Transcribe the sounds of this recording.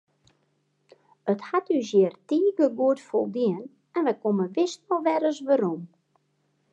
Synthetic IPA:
əthatysjɛərtiːɡəɡuətfolˠdiən | ɛnʋɛkoməʋɪsɔlˠʋɛɾəsʋaɾom

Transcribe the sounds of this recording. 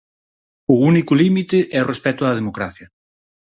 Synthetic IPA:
ʊunikʊlimit̪ɪʔɛorespɛt̪ʊðɐð̞emokɾaθjɐ

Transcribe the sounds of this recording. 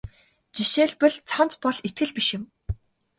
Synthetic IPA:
t͡ɕiʃeːɮpɘ̆ɮt͡sʰant͡s̪pɔɮit̪̚ɡɘ̆ɮpiʃɪ̆m

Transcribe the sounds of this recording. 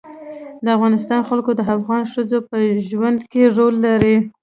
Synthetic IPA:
d̪əafɣɑnɪs̬t̪ɑnxalkod̪əafɣɑnʂəzopəʒwand̪keʐolːaɾi

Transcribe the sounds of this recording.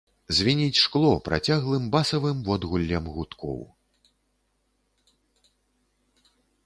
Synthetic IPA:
zʲvʲinʲit͡sʲʂklˠɔpɾa̰t͡sʲaɣlˠɨmbasɐvɨmvɔd̪ɣulʲːɐmɣut̪kʰɔ̰w

